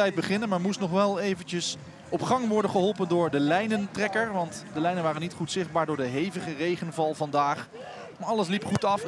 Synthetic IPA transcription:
ɛjt̚bəχɪnənmaːɹmustnɔχʋɛlˠejvəncəs | ɔpχɑŋʋɔɹdənχəɦɔlˠpəndʊːɹdəlɛjnəntrɛkəɹʋɑntdəlɛjnənʋaːrənitχutsɪχd̚baːɹdʊːɹdəɦejvəχərejχənvɑlˠvɑndaːχ | ɑləs̬lipχutɑf

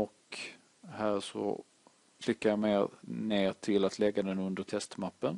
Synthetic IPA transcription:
ɔk | hæːɾʂɔ̰ | flɪkːaɾjameːɾneːɾʈ̪ʰɪlat̪ʰlɛɡːad̪ɛnɵnd̪əʈ̪ʰɛst̪mapːən

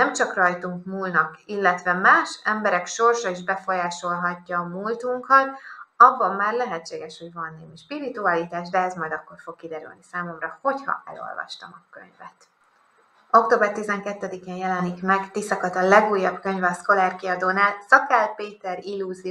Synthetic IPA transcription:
nɛmt͡ʃɒkrɒjt̪uŋkmulnɒkilːɛt̪ʋɛmaːʃɛmbɛɾɛkʃo̞rʃɒiʒbɛfo̞jaːʃo̞lɦɒcːɒːmuːlt̪uŋkɒt̪ɒbːɒmːaːrlɛɦɛtt͡ʃːeːɡɛʃhoɟvɒnːeːmiʃpiɾit̪uɒlit̪aːʒd̪ɛɛzmɒjd̪ɒkːo̞rfo̞kkːid̪ɛɾy̰lnisaːmo̞mrɒho̞chɒ̰ʔɛ̰lo̞̰lvɒ̰ʃt̪ɒ̰mɒkø̰ɲvɛt̪ | okt̪oːbɛrt̪izɛŋkɛt̪ːɛd̪ikeːnjɛlɛnikmɛɡt̪isɒkɒt̪ɒlɛɡuːjːɒbkøɲvɛɒsko̞laːrkiɒd̪oːnaːlsɒkalpeːt̪ɛɾilːuzi

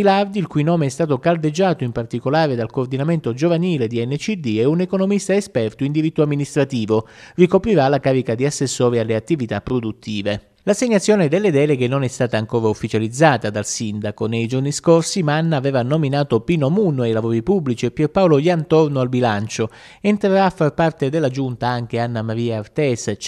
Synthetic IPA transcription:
ilard̪ilkujnɔːmeɛst̪aːt̪okald̪ed͡ʒːaːt̪oimpart̪ikolaːɾed̪alkoːrd̪inament̪od͡ʒovaniːled̪iɛnːet͡ʃid̪iɛunekonomist̪aespɛrt̪oind̪iɾit̪ːoamːinist̪ɾat̪iːvorikopɾiɾalakaːɾikad̪iasːesːɔːɾialːeat̪ːivit̪apːɾod̪ut̪ʰːiːve | laseɲːat̪sːjɔːned̪elːed̪ɛːleɡenːonɛst̪aːt̪aːŋkoːɾaufːit͡ʃalid̪zːaːt̪ad̪alsind̪akonejd͡ʒorniskorsimanːaːvɛːvanominaːt̪opiːnomunːwajlavɔːɾipubːlit͡ʃiepːerpawlojant̪ornoalbilant͡ʃo | ent̪ɾeɾaːfːarpart̪ed̪elːad͡ʒunt̪aaŋk̟eanːamaɾiːaːrt̪ɛs

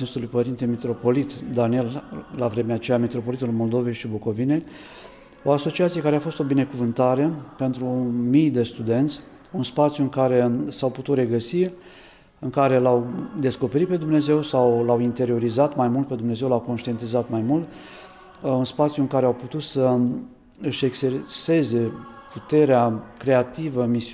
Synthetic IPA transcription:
inst̪ulujpəɾint̪emit̪ɾo̞po̞lit̪d̪anie̞llavɾe̞meat͡ʃejamit̪ɾo̞po̞lit̪ulmo̞ld̪o̞vejʃiboko̞vine̞ | o̞aso̞t͡ʃiat̪sije̞kaɾe̞afo̞st̪o̞bine̞kuvɨnt̪aɾe̞pe̞nt̪ɾumijd̪e̞st̪ud̪e̞nt̪sʲ | unspat̪sjuɨŋkaɾe̞sawput̪ut̪ɾe̞ɡəsi | ɨŋkaɾe̞lawd̪e̞sko̞peɾit̪pe̞d̪umne̞ze̞wsawlawint̪e̞ɾio̞ɾizat̪majmult̪pe̞d̪umne̞zewlawko̞nʃt̪ie̞nt̪izat̪majmult̪ | unspat̪sjuɨŋkaɾeawput̪ut̪sə | ɨʃe̞ksese̞ze̞put̪e̞ɾeakɾe̞at̪ivəmi

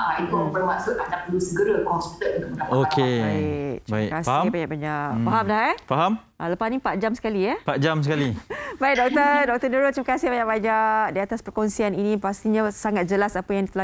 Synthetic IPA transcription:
ʔait̪ubərmaʔsʊt̪̚anapəlusəɡəɾakɔnsut̪ət̪ənt̪ʊʔmənaokebaɪkt̪ibaɪ̰kkasfabaɲaʔkbaɲaʔfaɦamlahɛfaɦam | ʔaləpasnĩpat̪̚d͡ʒamsə̥kaliapat̪̚d͡ʒamsəkalibaɪik̚dɔk̚t̪ədɔk̚t̪ədəɾot̪̚t̪ɾiməkasɪhbaɲaʔ̚baɲaʔdiat̪aspərkonsianinĩpast̪iɲãsaŋat̪̚d͡ʒəlasapajaŋdit̪əla

